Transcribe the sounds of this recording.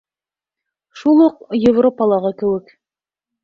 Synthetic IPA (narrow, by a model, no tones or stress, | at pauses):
ʃulˠuqjɪvropɑlˠɑʁɤkɘ̆wɘk